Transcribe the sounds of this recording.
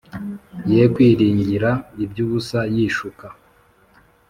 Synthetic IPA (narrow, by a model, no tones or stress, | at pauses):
jeːkwiːɾiːɲɟiɾaibjuːβusajiːʃuka